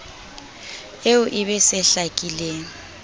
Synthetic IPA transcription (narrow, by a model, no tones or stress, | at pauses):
eʊʔɪbɛsɛɬakʼilɛː